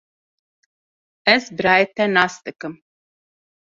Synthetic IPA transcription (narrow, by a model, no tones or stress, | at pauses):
ɛsbɾajt̪ɛnast̪ɨkɨm